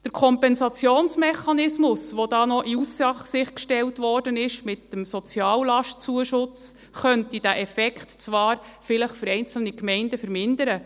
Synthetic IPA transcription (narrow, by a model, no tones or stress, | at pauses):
d̥əɾkʰɔmpɛnsɑt͡sjoːnsmɛχɑnɪsmʊsʋod̥ɑːnɔʔiusːɑχsɪχkʃtɛltʋɔrdənɪʃmɪtːəmsɔt͡sjɑːllɑʃtt͡suəʃʊt͡s | χœntid̥æʔɛfɛkχtt͡sʋɑːɾfɪləχføɾɛɪnt͡sl̩nikmɛɪndəfəɾmɪndəɾə